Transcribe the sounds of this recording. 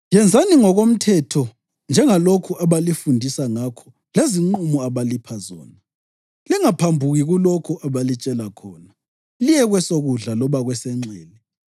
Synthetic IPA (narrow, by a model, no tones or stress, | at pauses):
jɛnd͡zʱaniŋɔɣom̩tʰɛtʰɔ | nd͡ʒʱɛŋalokʰuʔaβalifundʱisaŋakʰɔ̥ | leziŋ͡ǃumɔaβalipʰazɔ̰ːna | liŋapʰambʱuɣiɣulɔkʰuʔaβalit͡ʃʼɛlakʰɔːna | lijɛɣwɛsoɣuɮalɔβaɣwɛsɛŋ͡ǀɛːlɛ